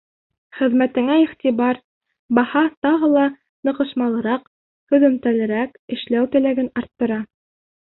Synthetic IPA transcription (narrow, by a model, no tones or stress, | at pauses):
χɘ̆ðmæt̪ɘ̆ŋæiχt̪iβɑɾ | bɑhɑt̪ɑʁɤlˠɑ | nɤ̆qɤ̆ʃmɑlˠɤ̆ɾɑq | hɵ̆ðɵ̆mt̪ælɘ̆ɾækɘ̆ʃlæwt̪ɘ̆læɡɘnɑɾt̪ːɤ̆ɾɑ